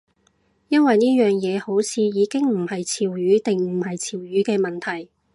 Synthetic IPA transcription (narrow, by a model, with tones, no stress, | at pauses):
jɐ˥nwɐ˨jniː˥jœː˨ŋjɛː˨˧ho˨˥wt͡sʰiː˨˧jiː˨˧kɪ˥ŋm̩˨˩hɐ˨jt͡sʰiː˨˩wjyː˨˥t̪ɪ˨ŋm̩˨˩ɦɐ˨jt͡sʰiː˨˩wjyː˨˥kɛː˧mɐ˨nt̪ʰɐ˨˩j